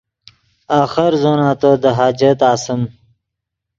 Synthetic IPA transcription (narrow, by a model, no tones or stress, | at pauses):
aːxəɾzoːnaːt̪od̪əɦaːd͡ʒet̪aːsəm